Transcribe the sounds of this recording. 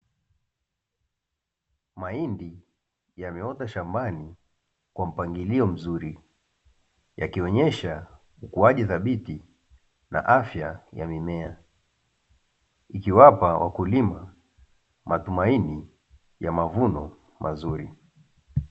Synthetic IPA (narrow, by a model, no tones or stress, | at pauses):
maindi | jamɛɔtaʃambani | kwam̩paŋɡiliɔm̩zuɾi | ja̰kiɔɲɛʃa | ukuaʄiθaɓiti | na̰ʔafjaja̰mimɛa | ikiwapawʔa̰kulima | matumaini | jamavunɔ̰ | mʔazuɾi